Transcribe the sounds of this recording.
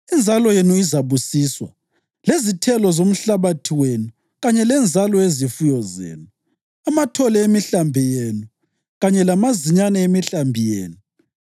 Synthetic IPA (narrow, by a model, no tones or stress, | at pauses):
ind͡zʱalɔjenuizaβusiswa̰ | lezitʰɛlɔzom̩ɬaβatʰiwenu | ɣaɲɛlɛnd͡zʱalɔezifujɔzḛːnu | amatʰɔlɛemiɬambʱijenu | ɣaɲɛlamaziɲanɛemiɬambʱijḛːnu